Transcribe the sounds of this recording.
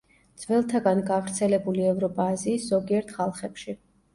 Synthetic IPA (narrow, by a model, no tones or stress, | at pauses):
d̪z̥vɛlˠt̪ʰaɡanɡavɾt̪sʰɛlɛbuliɛvɾɔpʼaːziːsz̥ɔɡiɛɾt̪ʰχalˠχɛpʃi